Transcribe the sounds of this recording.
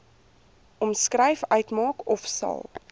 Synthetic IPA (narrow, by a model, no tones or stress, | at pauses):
ɔmskrəjfœɥtmɑːkɔfsɐ̰lˠ